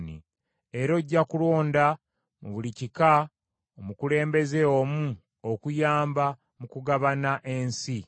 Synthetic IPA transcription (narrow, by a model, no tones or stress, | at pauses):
nḭ | e̞ɾo̞ɟːakulo̞ːnda | muβulicika | omukule̞ːmbe̞ze̞omu | okujaːmba | mukuɡaβanaʔe̞nsi